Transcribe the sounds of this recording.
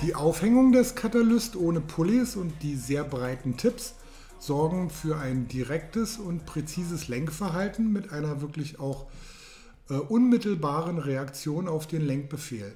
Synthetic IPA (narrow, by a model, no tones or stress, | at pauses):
d̥iːʔaʊfhɛŋʊŋdɛskʰatalʊstʔoːnəpʰʊlisʊnt̚d̥iːzeːɐbʁaɪtn̩tʰɪps | z̥ɔɐɡŋ̩fyːɐaɪndiʁɛktəsʊntpʁ̥et͡siːzəslɛŋkfɛɐɦaltn̩mɪtʔaɪnɐvɪɐklɪçaʊx | ʔɛːʔʊnmɪtl̩baːʁənʁeakt͡sjoːnaʊfd̥eːnlɛŋk̚b̥əfeːl